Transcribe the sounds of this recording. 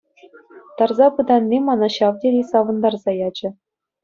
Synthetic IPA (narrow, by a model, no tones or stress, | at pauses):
t̪ɑrzɑpɤ̆d̪ɑnʲːimɑnɑɕɑʋdʲedʲesɑʋɤ̆nd̪ɑrzɑjɑd͡ʑɘ̆